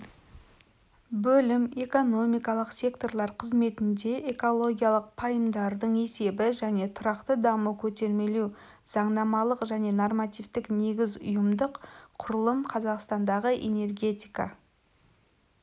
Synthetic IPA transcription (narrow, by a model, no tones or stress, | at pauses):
bɵlɪme̞ko̞no̞mijkɑlˠəqsʲe̞kt̪o̞rlˠɑɾqʰəzme̞t̪ɪnd̪e̞ʔeko̞lˠo̞ɡʲijalˠəq̚pʰɑjəmd̪ɑɾd̪əɴe̞se̞bɪʒæne̞t̪ʰʊɾɑqt̪əd̪ɑməkʲʰɵt̪e̞ɾme̞lew | z̥ɑɴd̪ɑmɑlˠəqʒæne̞normat̪ijvt̪ɪkne̞ɡʲɪzʊjəmd̪əqqʰʊɾəlˠəmqʰɑzɑqst̪ɑnd̪ɑʁəʔe̞̰ne̞rɡʲe̞t̪ijkɑ̰